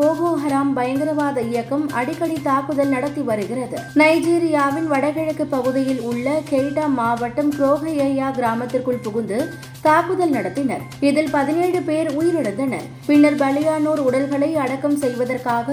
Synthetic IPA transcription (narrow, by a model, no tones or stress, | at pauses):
oːɣoːɦɐɾaːmbɐjɐŋɡɪɾɐʋaːðɐɪjɐkːɐmɐ̰ɽɪkːɐɽit̪aːkːɯðɐlnɐɽɐt̪ːiʋɐɾɯɣɪrɐðɯnɐɪd͡ʒiːɾɪjaːʋɪnʋɐɽɐɣɛɻɐkːɯpːɐɣɯðɪjɪlʊɭːɐkeːʈːaːmaːʋɐʈːɐmkɪɾoːɣɐeːjaːɡɪɾaːmɐt̪ːɪrkɯɭpʊɣɯnd̪ɯ | t̪aːkːɯðɐlnɐɽɐt̪ːɪnɐɾ | ɪðɪlpɐðɪneːɻɯpeːɾujɪɾɪɽɐnd̪ɐnɐ̰ɾ | pɪnːɐɾbɐlɪjaːnoːɾʊɽɐlɣɐɭɐɪɐɽɐkːɐmsɛjʋɐðɐrkaːɣɐ